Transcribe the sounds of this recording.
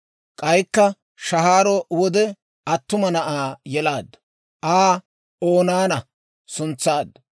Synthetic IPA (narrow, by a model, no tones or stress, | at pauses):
kʼɐjkːɐ | ʃɐhaːɾɔwɔd̪ɛ | ɐt̪ːʊmɐnɐʔaːjɛlaːd̪ːɐ̥ | ʔaː | oːnaːnɐ | sʊnt͡sːaːd̪ːɐ